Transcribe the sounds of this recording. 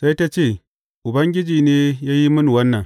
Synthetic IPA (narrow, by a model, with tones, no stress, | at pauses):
sa˦jta˦t͡ʃeː˦˨ | ʔʊ˨bɐ˦ŋɡʲɪ˦d͡ʒiː˨neː˦jaː˦ji˦mʊ˦n˨wɐ˦nːɐ˨ŋ